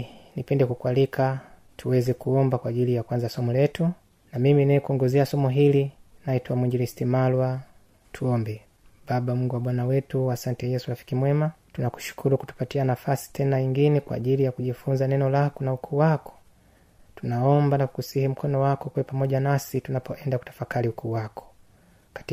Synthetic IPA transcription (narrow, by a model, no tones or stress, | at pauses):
nipɛndɛkukwalikʰa | tʰuwɛzɛkuɔmbakwaːʄilijakwanzasɔmɔlɛtu | namiminaɛkuɔŋɡɔzɛasɔmɔɦilinaitwamwiɲd͡ʒilistimalwa | tʰuɔmbɛ | babam̩uŋɡuwaɓwanawɛtuasantɛjɛsuɾafi̥kimwɛmatunaku̥ʃu̥kʰuɾuku̥tu̥patianafasi̥tʰɛnaɲiŋɡinɛkwa̰ːʄilijakuʄifunzanɛnɔlakunaukʰuːwakɔ̥ | tunaɔmbanakusihim̩kʰɔnɔwakɔkwɛɛpamɔʄanasitunapɔʔɛndaku̥tḁfakaliukʰuːwakʰɔ̥ | kḁt